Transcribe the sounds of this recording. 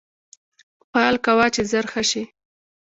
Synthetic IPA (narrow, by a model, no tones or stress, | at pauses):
pɑlkawɑt͡ʃezaɾxaʃi